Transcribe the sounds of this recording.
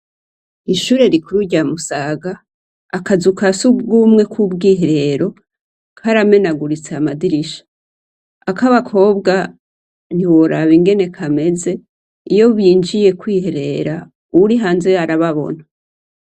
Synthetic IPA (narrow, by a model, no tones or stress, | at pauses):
iʃuɾe̞ɾikuɾuɟamusaɡaː | kazukasubɡumŋe̞kʰubɡiːɦeɾe̞ɾo̞ | kʰaɾame̞naɡuɾit͡seamadiɾiʃḁ | akaβakʰo̞ːbɡa | n̥iwo̞ɾaβiŋɡe̞ne̞kʰame̞ze̞ | ijo̞βiːnd͡ʒije̞kwiːhe̞ɾe̞ɾa | uuɾiɦaːnzeaɾaβaβo̞̰n̥ḁ